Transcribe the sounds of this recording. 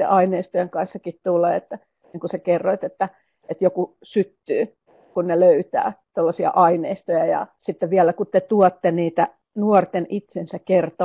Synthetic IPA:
ḛʔɑineist̪ojeŋkɑnsːɑkit̪t̪ulːeːet̪ːæ | niːŋkusekerːoit̪et̪ːæ | et̪joku | syt̪ːyː | kunneløyt̪æ̰ːt̪olːɑsiɑ̰ʔɑineist̪ojɑjɑ̰sit̪ːeʋiælækut̪t̪et̪uɔt̪ːeniːt̪æ | nuɔrt̪enit̪sensækkert̪o

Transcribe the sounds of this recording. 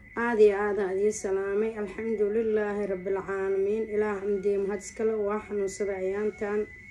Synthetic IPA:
ʔaːd̪ɪjɐaːd̪aːðiːsɐlaːmɛjɐlħɑmd̪ʊlɪlːaːhɪrˤɑbːɪlʕaːlɐmiːnɪlaːhɐmd̪iːmɦɐd̪ɪ̥skʰɐlɛwɑːħɑnuːnsɐðɐjaːnt̪ʰaːn

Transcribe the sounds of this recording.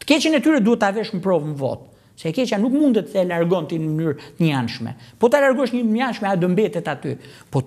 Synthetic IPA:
t̪ə̥kɛt͡ʃɛnɛt̪yɾɛt̪d̪uɛt̪ːavɛʃmpɾɔvməvɔ̰t̪̚ | sɛkɛt͡ʃanukmund̪ɛt̪əsɛlaɾɡɔnt̪inəmənyɾt̪əɲanʃmɛ̰pɔt̪alaɾɡɔʃɲəɲanʃmɛad̪ɔmbɛt̪ɛt̪at̪y | pɔ

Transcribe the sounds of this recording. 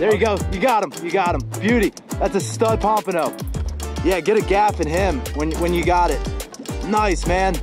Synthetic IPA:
ðə˞jɨɡoʊjɨɡɑɾə̃mjɨɡɑɾə̃mb̥jʉɾi | ðætsɨstʌd̚pʰɑ̃mpɨnoʊjæɡɛɾɨɡæfɨ̃nɪ̃mwɨ̃nwə̃njɨɡɑɾɪt̚naɪsmæ̃n

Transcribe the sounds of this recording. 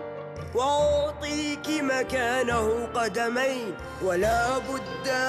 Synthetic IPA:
waʔʊt̪ˤiːkɪmakaːnahʊqɑd̪amajn | walaːbʊd̪ːa

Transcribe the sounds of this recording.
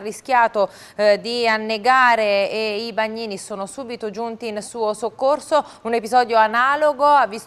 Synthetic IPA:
rːiskʲjaːt̪o | d̪ianːeɡaːɾeːibaɲːiːnisoːnosuːbit̪od͡ʒunt̪iːnsuːosokːorso | unepizɔːd̪joanaːloɡoavːis

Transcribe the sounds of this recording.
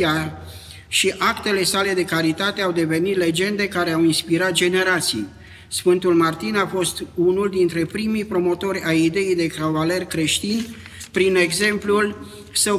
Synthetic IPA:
ar | ʃiʔakt̪e̞le̞sale̞d̪e̞kaɾit̪at̪e̞awd̪e̞ve̞nit̪le̞d͡ʒe̞nd̪e̞kaɾe̞awinspiɾat̪̚d͡ʒe̞ne̞ɾat̪sḭj | sfɨnt̪ulmart̪inafo̞st̪unuld̪int̪ɾe̞pɾimijpɾo̞mo̞t̪o̞ɾʲajid̪e̞ijd̪e̞kɾavale̞rkɾe̞ʃt̪in | pɾine̞ɡze̞mplul | səw

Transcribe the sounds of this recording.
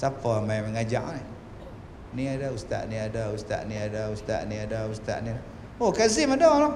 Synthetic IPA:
sapamajmɛŋad͡ʒaʔna | niadaust̪a̰ʔniadaust̪a̰ʔniadaust̪a̰ʔniadaust̪a̰ʔniada | okazɪmadalɔ

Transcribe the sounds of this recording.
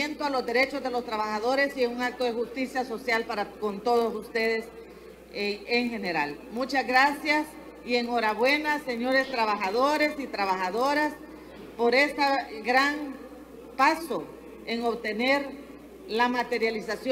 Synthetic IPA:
ent̪oalo̞zd̪e̞ɾe̞t͡ʃo̞zðe̞lo̞st̪ɾaβaxaðo̞ɾe̞sieuŋak̚t̪o̞ðexust̪isjaso̞sjalpaɾako̞nt̪o̞ðosust̪e̞ðe̞s | eŋxe̞ne̞ɾalmut͡ʃazɣɾasjas | ie̞ŋo̞ɾaβwe̞nase̞ɲo̞ɾe̞st̪ɾaβaxaðo̞ɾe̞sit̪ɾaβaxaðo̞ɾas | po̞ɾe̞saɡɾaŋ | paso | eŋo̞βt̪e̞ne̞ɾ | lamat̪e̞ɾjalisas

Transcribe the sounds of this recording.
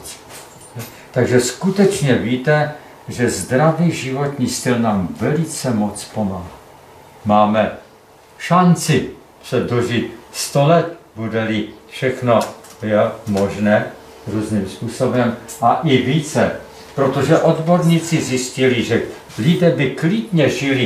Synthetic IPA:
t̪aɡʒɛskut̪ɛt͡ʃɲɛviːt̪ɛ | ʒɛzd̪ɾaviːʒɪvo̞t̪ɲiːst̪ɪlnaːmvɛlɪt͡sɛmot͡spo̞maɦa | maːmɛ | ʃant͡sɪ | sɛdoʒɪt̪st̪olɛt̪̚budɛlɪfʃɛxnojɛmoʒnɛː | ɾuːzniːmspuːso̞bɛmʔaʔɪviːt͡sɛ | pɾot̪o̞ʒɛʔo̞d̪boɾɲiːt͡sɪzjɪscɪlɪʒɛ | lɪdɛːbɪklɪdɲɛʒɪlɪ

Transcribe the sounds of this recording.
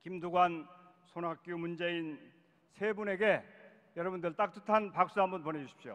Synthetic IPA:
kimduɡwan | sʰonak͈jumund͡ʑe̞in | sʰe̞bune̞ɡe̞ | jʌɾʌbundɯɭt͈ak̚t͈utʰanpak̚s͈uɦambʌnpʌne̞d͡ʑuɕʰi̥pɕio̰

